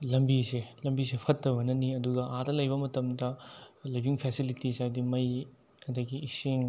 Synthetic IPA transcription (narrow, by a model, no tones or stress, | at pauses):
lɐmbiselɐmbisepʰɐtːɐbɐnɐniɐduɡɐʔadɐlɐjbɐmɐtɐmdɐlibiŋpʰɛsilitisajdimɐj | kɐdɐɡiːseŋ